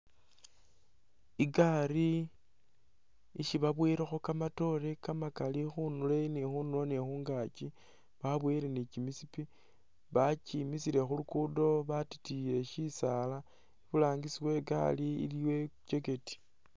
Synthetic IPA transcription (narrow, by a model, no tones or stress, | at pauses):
iɡaɾi | iʃiβaβwiɾexokamato̞ɾekamakalixunule̞nixunulonexuːŋɡat͡ʃi | βaβwiɾenit͡ʃimisipi | βat͡ʃimisiɾe̞xulukudo̞βati̥tije̞ʃisala | iβulaːŋɡisiwe̞ɡa̰liḭliwe̞t͡ʃeketi̥